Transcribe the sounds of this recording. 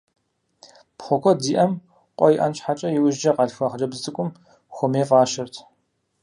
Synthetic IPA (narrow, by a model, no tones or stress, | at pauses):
pχʷɔkʷʰɔdiːʔɐm | qʷʼɔjʔɐnt͡ʃħat͡ʃʼɐjɪwʊʒd͡ʒɐqɐɬxʷaχd͡ʒɐbzzʼɨkʷʼʊm | xʷɔmeːfʼaːʃɪrtʰ